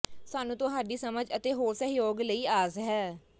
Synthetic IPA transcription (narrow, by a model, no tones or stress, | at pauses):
saːnũːt̪ʊɦaːɖiːsəməd͡ʒət̪eːɦoːɾsəɦjoːɡləiːaːzɦɛː